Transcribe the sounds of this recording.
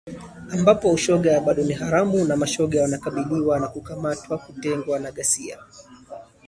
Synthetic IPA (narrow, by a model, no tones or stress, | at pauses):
ambapɔuʃɔɠaaɓaɗɔniɦaɾamunamaʃɔɠawanakaɓiliwanakukamatwakutɛŋɡwanaɠasia̰